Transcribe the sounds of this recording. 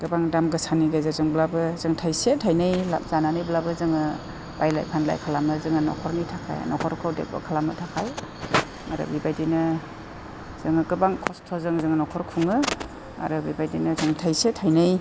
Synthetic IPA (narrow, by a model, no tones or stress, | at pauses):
ɡ̥ɯbaŋdamɡɯsaniɡɯzazɯŋblabɯzɯŋtʰajsetʰajnɯjla̰p̚zananɯjblabɯzɯŋɯ | b̥ajla̰jpʰanla̰jkʰalamɯzɯŋɯnɔ̰kʰɔɾnitʰakʰa̰j̰nɔkʰɔɾkʰɯwdḛk̚ba̰kʰalamɯtʰakʰaj | ma̰ɾɯ̰bibajdinɯ | z̥ɯŋɯɡɯbaŋkʰɔstʰɔzɯŋzɯŋɯnɔkʰɔɾkʰuŋɯ | a̰ɾɯbibajdinɯzɯŋtʰajsetʰajnɯj